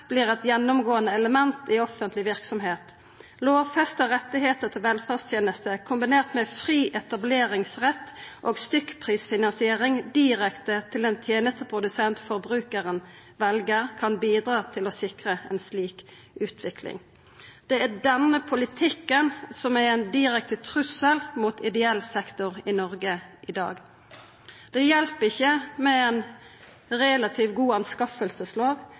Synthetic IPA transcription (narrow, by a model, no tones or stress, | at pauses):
b̥liːʁɛt̪jɛnːʊmɡoːənəɛləmɛnt̪ɪɔfənt̪lɪʋɪʁksɔmɦeːt̪ | loːʋfɛst̪əʁɛt̪ːɪɦeːt̪ət̪ʰɪlʋɛlfæʁst̪ʰjeːnəst̪əkʰʊmbɪneːʁt̪mɛfʁiːʔɛt̪ɑbleːɾɪŋsʁɛt̪ːʔoːɡst̪ʏkːpʰʁiːsfɪnɑnsɪeːʁɪŋd̪iːʁɛkt̪ət̪ʰɪlɛnt̪ʰjeːnəst̪əpʰʁʊd̪ʉsɛnt̪fɔʁbʁʉːkəʁən | ʋɛlɡəʁkʰɑnbiːd̪ɾɑːt̪ʰɪlɔsɪkʁəɛ̰nsliːk | ʉːt̪ʰʋɪkʰlɪ̰ŋ | d̪̥ɛæd̪ɛnəpʰʊlɪt̪ʰɪkːənsɔmæɾɛnd̪ɪʁɛk̚t̪ət̪ʰʁʉsəlmuːt̪ʰɪd̪ɛɛlsɛkt̪ʊʁɪnɔʁɡəʔɪd̪ɑ̰ːɡ | d̪̥ɛjɛlpɪçːəmɛɛn | ʁeːlɑt̪ʰiːʋɡuːɑnskɑfəlsəsloːʋ